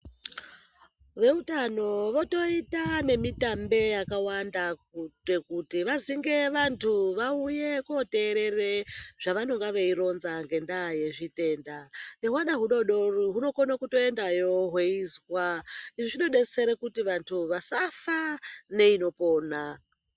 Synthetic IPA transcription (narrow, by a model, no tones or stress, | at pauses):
ʋe̞utano̞ʋo̞to̞itane̞mitambe̞jakawandaktekutiʋaziŋɡe̞ʋantʰuʋauje̞kote̞ːɾe̞reʐ̥aʋano̞ŋɡaʋeiɾo̞nzaŋɡe̞ndaje̞ʐite̞ndaneɦwaɗaɦuɗo̞ɗo̞ruɦuno̞konakuto̞e̞ndajo̞ɦwe̞izwaiʐiʐiɗo̞ɗe̞t͡se̞ɾekutiʋantʰuʋasafane̞ino̞po̞ːna